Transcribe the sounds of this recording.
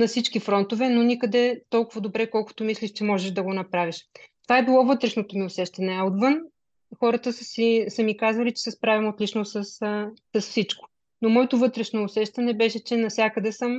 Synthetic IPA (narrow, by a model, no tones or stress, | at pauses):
nɐfsit͡ʃkifɾɔnt̪ovɛnonikəd̪ɛt̪ɔlˠkʊvəd̪obɾɛkɔlˠkʊ̥t̪omislʲiʃt͡ʃɛmɔʒɛʃd̪ɐɡonɐpɾaviʃt̪ovaɛbilˠɔvɤt̪ɾɛʃnot̪omiosɛʃt̪ɐnɛɐot̪vɤn | xɔɾət̪əsəsisəmikazvɐlit͡ʃɛ̥sɛspɾavʲimot̪lʲit͡ʃnosəssɐsfsit͡ʃko̥ | nomɔɛt̪ʊvɤt̪ɾɛʃnoːsɛʃt̪ɐnɛbɛʃɛt͡ʃɛnɐfsʲjakəd̪ɛsəm